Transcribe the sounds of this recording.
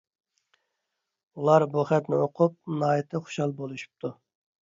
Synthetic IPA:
ulˠɑɾbuχɛt̪nɪoqʰʊp̚nɑːjit̪ʰɪχo̥ʃɑlˠbolˠuʃu̥p̚t̪ʰu

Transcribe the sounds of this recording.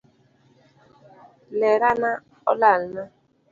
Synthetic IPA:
leɾana | ɔ̰lal̩na

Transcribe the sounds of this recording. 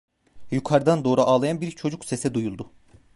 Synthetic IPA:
jukʰaɾɯd̪and̪o̞ːɾuʔaːlˠajanbiɾt͡ʃʰo̞d͡ʒukse̞sɛd̪ujulˠd̪ʊ

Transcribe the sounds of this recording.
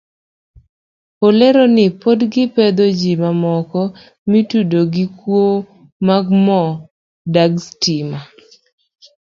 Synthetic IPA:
poleɾonɪpodɡɪped̪od͡ʒimamɔkɔ | mitudoɡɪkwo | maɡmɔ | daɡstima

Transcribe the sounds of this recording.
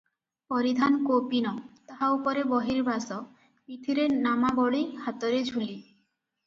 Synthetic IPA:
pɔɾid̪ʱankopinɔt̪aɦaupoɾebɔɦiɾbʱasɔ | pit̪ʰiɾenamabɔɽihat̪oɾed͡ʑʱuli

